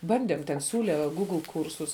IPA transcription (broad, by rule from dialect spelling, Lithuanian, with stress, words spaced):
ˈbɐnʲdʲeːm tʲɛn ˈsʲuːlʲɛ ˈɡuːɡlˠ ˈkuːrsʊs